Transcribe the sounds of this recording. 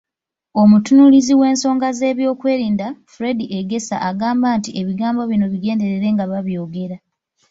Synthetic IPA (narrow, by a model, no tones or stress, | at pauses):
o̞mutunuliziwe̞ːnso̞ːŋɡaze̞ːβjoːkwe̞ːɾiːndafuɾe̞diʔeɡe̞sa̰ʔaɡaːmbaːntiʔe̞βiɡaːmbo̞βino̞βiɡe̞ːnde̞ɾeɾe̞ŋɡaβaβjo̞ːɡe̞ɾa